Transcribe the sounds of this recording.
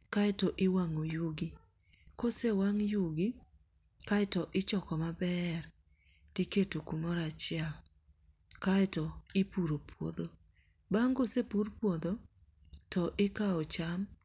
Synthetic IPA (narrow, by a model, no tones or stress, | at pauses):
kaɛtɔʔɪwaŋojuɡi | kosewaŋjuɡi | kaɪtɔʔɪt͡ʃɔkɔmabɛr | tiketokumɔɾat͡ʃɪɛl | kaɛtɔɪpuɾopwo̰d̪o | baŋɡosepuɾpwod̪o | tɔʔɪkaɔt͡ʃam